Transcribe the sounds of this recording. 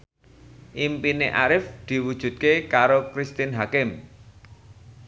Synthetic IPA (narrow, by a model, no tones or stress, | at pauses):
ʔimpineʔaɾɪfd̪̥i̤wud̥ʒ̥ṳt̪̚kekaɾokɾist̪ɪnɦakɪm